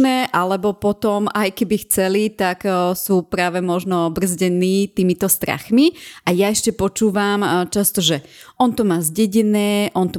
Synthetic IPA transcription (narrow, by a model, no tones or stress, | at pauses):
nɛʔalɛbɔpɔt̪ɔmajkɛbixt͡sɛlit̪aksuːpɾaːʋɛmɔʒnɔbr̩zɟɛniːt̪iːmit̪ɔst̪ɾa̰xmiʔajaɛʃcɛpɔt͡ʃuːʋamt͡ʃast̪ɔʒɛʔɔnt̪ɔmaːzɟɛɟɛnɛːʔɔnt̪ɔ